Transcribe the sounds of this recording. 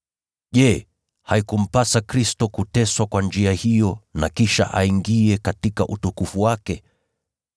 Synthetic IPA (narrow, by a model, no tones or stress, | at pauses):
ʄɛ | haikum̩pasakɾistɔkutɛswakwand͡ʒiahijɔna̰kiʃa̰ʔaiŋɡiɛkatikaʔutukufuwakɛ